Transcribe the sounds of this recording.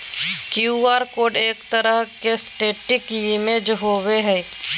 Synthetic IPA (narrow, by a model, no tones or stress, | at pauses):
kjuaːɾkoːɖeːkt̪əɾəɦkesʈeːʈɪkjɪmeːd͡ʒɦoweɦɛ